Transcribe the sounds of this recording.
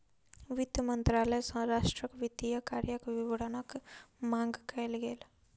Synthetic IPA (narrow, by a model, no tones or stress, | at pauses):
ʋɪd̪jəmə̃nt̪ɾaːləsə̃ɾaːʃʈɾəkʋɪd̪ijəkaːɾjəkʋɪʋəɽənəkmãːŋɡkɛlɡeːl